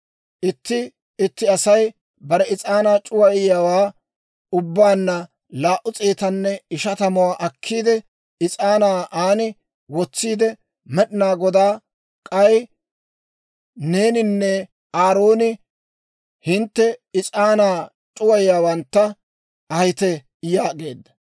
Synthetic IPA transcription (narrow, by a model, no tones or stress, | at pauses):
ʔɪt̪ːɪ | ɪt̪ːɪɐsɐj | bɐɾɛɪt͡sʼaːnaːt͡ʃʼʊwɐɪjaːwaː | ʊbːaːnːɐ | laːʔʊt͡sʼeːt̪ɐnːɛɪʃɐt̪ɐmɔwaːʔɐkʰːiːd̪ɛ | ɪt͡sʼaːnaːʔaːnɪ | wɔt͡sːiːd̪ɛ | mɛɗɪnaːɡɔd̪aː | kʼɐj | ne̞ːnɪnːɛ | aːɾo̞ːnɪ | hɪnt̪ːɛɪt͡sʼaːnaː | t͡ʃʼʊwɐjɪjaːwɐnt̪ːɐ | ɐjɪt̪ɛ | jaːɡe̞ːd̪ːɐ